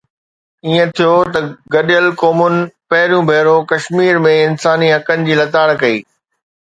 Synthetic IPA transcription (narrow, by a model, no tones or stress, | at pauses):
iːə̃t̪ʰijot̪ɐɡɐɗijəlkɔːmʊnɪ̆pɐɦɪɾijũbʱeːɾokɐʃmiːɾmẽɪnsaːniɦɐkənɪ̆d͡ʑiːlɐt̪aːɽkɐiː